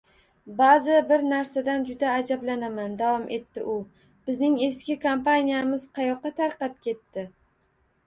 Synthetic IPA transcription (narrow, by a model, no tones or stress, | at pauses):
bazɪbɪɾnaɾsad̪and͡ʒʊd̪aːd͡ʒablanamand̪avɒmʔe̞t̪ːɪ̰ʔʊ | b̥ɪznɪŋe̞skʲɪkʰompanijamɪz̥qʰɑjɒqːɑt̪ʰaɾqɑp̚kʲʰe̞t̪ːɪ